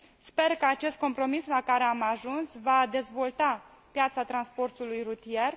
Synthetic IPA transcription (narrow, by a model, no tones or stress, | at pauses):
spe̞rkəat͡ʃe̞st̪̚ko̞mpɾo̞mislakaɾe̞amaʒunsvad̪e̞zvo̞lt̪a | pjat̪sat̪ɾanspo̞rt̪ulujrut̪ije̞r